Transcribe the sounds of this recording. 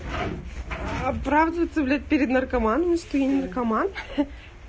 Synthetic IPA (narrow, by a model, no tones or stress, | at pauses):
ɐpɾavd̪ɨvət̪səvlʲat̚ʲpʲɪɾʲɪd̪nɐrkɐmanəmʲst̪ʊinʲnərkɐman